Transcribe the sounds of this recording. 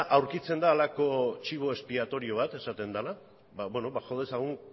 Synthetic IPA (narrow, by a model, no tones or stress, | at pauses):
ʔawɾkit͡se̞nd̪aːlako̞t͡ʃiβ̞o̞e̞spiat̪o̞ɾio̞β̞at̪e̞sat̪e̞nd̪ala | baβweno̞βaxoðesaɣ̞uŋ